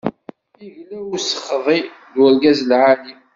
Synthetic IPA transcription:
iʝlæwusə̥χðˤi | ðwəɾɡæzlʕali

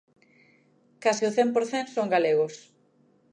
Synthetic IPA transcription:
kasɪʊθempoɾθensoŋɡaleɣʊs

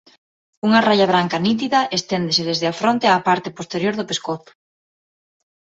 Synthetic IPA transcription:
uŋɐraʎɐβ̞ɾaŋkɐnit̪̬iðɐʔest̪end̪esɪðezðɪafɾont̪eapaɾt̪ɪpost̪eɾjoɾðʊpeskoθʊ̥

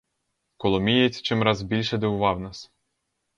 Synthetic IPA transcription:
kɔlˠɔmʲijet͡sʲt͡ʃɪmɾɑzbʲilʲʃɛd̪eʊʋɑwnɑs

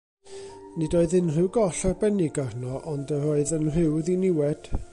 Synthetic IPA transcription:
nɪdoːɨðɪnrɪwɡɔɬarbɛnɪɡarnɔʔɔndəɾoːɨðənr̥ɪwðinɪwɛd̥

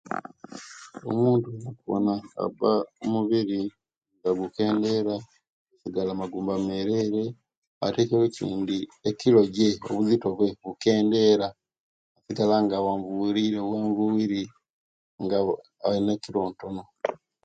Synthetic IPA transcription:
o̰muːntunakuβo̰naa̰baomuβiɾi | ŋɡaɡuke̞ːnde̞ɾa | ɡusiɡalamaɡuːmbameɾeɾe̞ | a̰tekewecḭːndiekilo̞ɟeo̞̰βuzito̞βwe̞βuke̞ːnde̞ɾaː | siɡalaŋɡawaːɱvuiɾiɾeβweːɱvuwiɾi | ŋɡa | ainekiɾo̞ːnto̞no̞

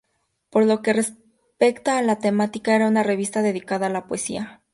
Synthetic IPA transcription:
po̞ɾlo̞ke̞re̞s | pe̞kt̪aːlat̪e̞mat̪ikae̞ɾaunare̞β̞ist̪aðe̞ðikaðaːlapoesḭa

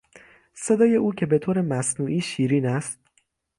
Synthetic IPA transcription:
se̞d̪ɒːje̞ʔuːcʰe̞be̞t̪ʰoːɾemæsnuːʔiːʃiːɾiːnæst̪̚

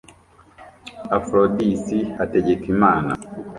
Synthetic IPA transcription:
afɾodisihateɟekimaːna̰

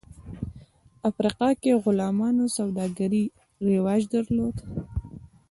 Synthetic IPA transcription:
afɾiqɑkeɣʊlɑmɑnosawd̪ɑɡaɾi | ɾewɑd͡ʒd̪aɾlod̪

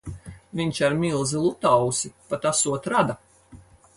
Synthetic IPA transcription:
vʲiɲt͡ʃaɾmʲilˠzilˠut̪awsipat̪asuɔt̪ɾad̪a

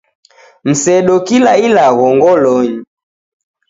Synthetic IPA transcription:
m̩sɛɗɔkilailaɣɔŋɡɔlɔɲi

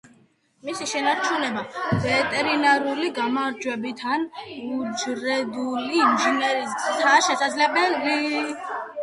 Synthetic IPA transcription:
misiʃɛnaɾt͡ʃʰunɛbavɛt̪ʼɛɾinaɾuliɡamaɾd͡ʒwɛbit̪ʰanud͡ʒɾɛd̪uliːmʒinɛɾit̪ʰaʃɛsad̪zlɛbɛli

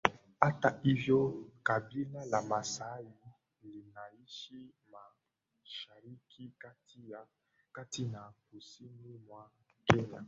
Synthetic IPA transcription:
ataivjɔkabinalamasaji | lenaiʃima | ʃaɾikʰikatia | katinakusinimwa | keɲa̰

